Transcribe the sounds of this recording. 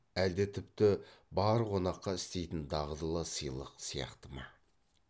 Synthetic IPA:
æld̪ɪt̪ʰɪpt̪ɪbɑɾqʰo̞nɑqːɑɪst̪e̞jt̪ɪnd̪ɑʁəd̪əlˠəsəjlˠəqsijɑ̰qt̪əmɑ

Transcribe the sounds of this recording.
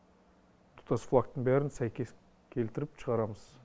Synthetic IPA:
t̪ʰu̥t̪ɑsflˠak̚t̪əɴbæɾɪnsæjkʲes | kʲʰe̞lt̪ɪɾɪpʃʰəʁɑɾɑməz̥

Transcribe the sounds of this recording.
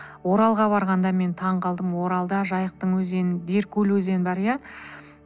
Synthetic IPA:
wo̞ɾɑlˠʁɑbɑɾʁɑnd̪ɑme̞nt̪ʰɑɴqʰɑlˠd̪əmwo̞ɾɑlˠd̪ɑʒɑjəq̚t̪əɴwɵze̞nd̪e̞ɾkʲʰɵlwɵze̞nbɑɾjɑ

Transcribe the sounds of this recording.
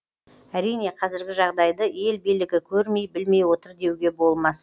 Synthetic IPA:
æɾijne̞qʰɑzɪɾɡʲɪʒɑʁd̪ɑjd̪əje̞lbijlɪɡʲɪkʲʰɵɾme̞jbɪlme̞jwo̞t̪əɾd̪e̞wɡʲe̞bo̞lˠmɑs

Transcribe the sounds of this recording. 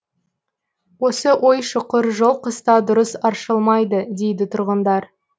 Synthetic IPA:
wo̞səʔo̞jʃʊqəɾʒolˠqəst̪ɑd̪ʊɾəsɑɾʃəlˠmɑjd̪əd̪e̞jd̪ɪt̪ʰʊɾʁənd̪ɑɾ

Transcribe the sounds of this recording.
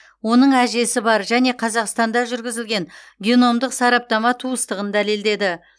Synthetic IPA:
wo̞nəɴæʒe̞sɪbɑɾʒæne̞qʰɑzɑqst̪ɑnd̪ɑʒʏɾɡʲɪzɪlɡʲe̞nɡʲeno̞md̪əqsɑɾɑp̚t̪ɑmɑt̪ʰuəst̪əʁənd̪æleld̪e̞d̪ɪ

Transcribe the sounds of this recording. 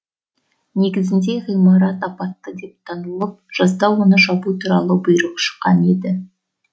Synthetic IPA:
ne̞ɡʲɪzɪnd̪e̞ʁijmɑɾɑt̪ɑpɑt̪ːəd̪e̞p̚t̪ʰɑnəlˠəp̚ʒ̥ɑzd̪ɑwonəʃɑbut̪ʰuɾɑlˠəbʊjɾəqʃə̥qːɑne̞d̪ɪ

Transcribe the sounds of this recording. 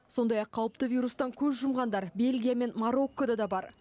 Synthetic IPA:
so̞nd̪ɑjɑqʰːɑwəpt̪əvʲijɾust̪ɑŋkʲʰɵzʒʊmʁɑnd̪ɑɾbe̞lʲɡʲijame̞nmaɾo̞kːod̪ɑd̪ɑbɑɾ

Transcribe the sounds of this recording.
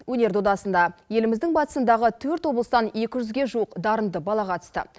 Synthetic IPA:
wɵne̞ɾd̪od̪ɑsənd̪ɑje̞lɪmɪzd̪ɪŋbɑt̪ə̥sənd̪ɑʁət̪ʰɵɾt̪wo̞blˠəst̪ɑnje̞kʲɪʒʏzɡʲe̞ʒuwəqd̪ɑɾənd̪əbɑlˠɑqʰɑt̪ə̥st̪ə̰

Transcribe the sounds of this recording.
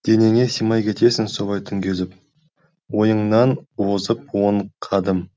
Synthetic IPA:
d̪̥e̞ne̞ŋe̞simɑjkʲʰe̞t̪e̞sɪnsoʁɑjt̪ʰʏŋɡʲezɪp̚ | wo̞jəɴnɑnwozəp̚woɴqʰɑd̪əm

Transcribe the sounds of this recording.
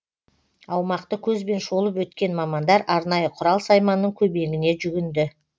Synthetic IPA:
ɑwmɑqt̪əkʲʰɵzbe̞nʃolˠəp̬wɵt̪kʲe̞nmɑmɑnd̪ɑɾʔɑɾnɑjəqʰʊɾɑlˠsɑjmɑnːəɴkʲʰɵbe̞ɡʲɪne̞ʒʏɡʲɪnd̪ɪ

